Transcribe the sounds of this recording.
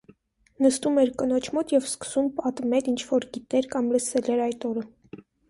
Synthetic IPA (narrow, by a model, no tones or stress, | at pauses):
nəst̪umɛɾkənɔt͡ʃʰmɔt̪jɛvskə̥sumpɑt̪mɛɾint͡ʃʰvɔɾɡit̪ɛɾkɑmləsɛlɛɾɑjt̪ɔɾə